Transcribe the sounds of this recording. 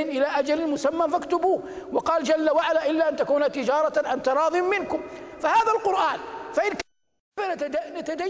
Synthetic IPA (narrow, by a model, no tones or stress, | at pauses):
ɪnʔɪlaːʔad͡ʒalɪnmʊsamːafakt̪ʊbuːwɑqɑːld͡ʒalːawaʕalaːʔɪlːaʔant̪akuːnat̪ɪd͡ʒɑːɾˤɑʕant̪ɑɾˤɑːðˤɪmːɪnkʊmfahaːðalqʊɾʔaːnfaʔɪnk | ananat̪ad̪a